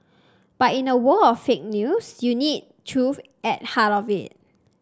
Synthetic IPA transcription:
b̥atĩnəwəɔffek̚njusjunid̚tʰɹuf | ʔɛt̚hatɔvḭt̚

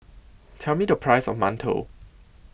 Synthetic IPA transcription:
tʰɛlˠmidəpʰɹ̥aɪsɔfmãntʰo̰

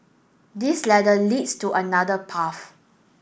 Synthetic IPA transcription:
dislɛdəlidstuʔənadəpʰaf

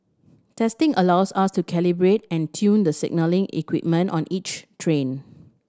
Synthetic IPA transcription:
tʰɛstɪ̃ŋʔəlawsastukʰɛlibɹetɛ̃ntʰjũndəsɪ̰ɡ̚nəlɪ̃ŋḭkwḭp̚mə̃ntɔ̃nit͡ʃtʰɹẽn

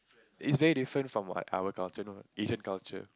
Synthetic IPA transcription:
ɪtsvɛɹidifɹə̃ntfɹɔ̃mwɔ̰ta̰ʊəkalt͡ʃənoed͡ʒə̃nkalt͡ʃə̰

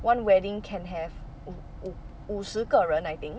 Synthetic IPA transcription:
wãnwɛdĩŋkʰɛ̃nɦɛv | usɨkəɹə̃najt̪ĩŋ

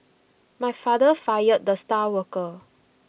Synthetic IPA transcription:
majfadəfajət̚d̪əstawəkə

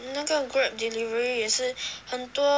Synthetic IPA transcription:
naɡəɡɹup̚d̪ilivəɹijɛʂɻ̩hənt̪wɔ

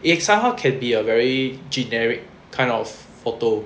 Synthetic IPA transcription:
isãmɦaʊkʰɛ̃nbiəvɛɹid͡ʒinɛɹik̚ʰːãɪ̃ndɔf | fɔto

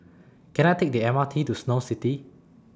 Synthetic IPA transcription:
kʰɛ̃naɪtʰek̚diɛ̃matʰitusnositi

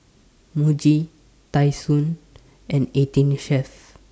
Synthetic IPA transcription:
mud͡ʒi | t̪ajsun | ɛ̃ɳɖeʈinʃef

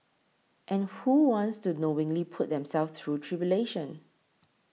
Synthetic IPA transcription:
ʔɛ̃nhuwɔ̃ntstunowɪ̃ŋlipʰʊt̚dɛ̃msɛlft̪ʰɹutʰɹibjuleʃɔ̃n

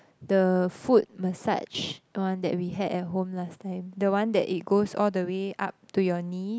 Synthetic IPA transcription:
dəfut̚məsa̰t͡ʃwãndɛ̰t̚wiɦɛdɛt̚ɦõmlastãɪ̃mdəwãndɛ̰ʔit̚ɡosɔldəweʔa̰p̚tujɔni

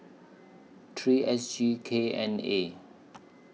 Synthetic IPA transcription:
tʰɹiːʔɛsd͡ʒikʰeɛ̰̃nḛ

